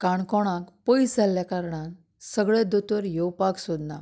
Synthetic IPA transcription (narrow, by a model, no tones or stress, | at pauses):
kaɳkɔɽ̃ãkpəjsd͡zʱaljakaɾɳãn | səɡɭẽd̪ɔt̪ʋəɾjɔwpaksud̪na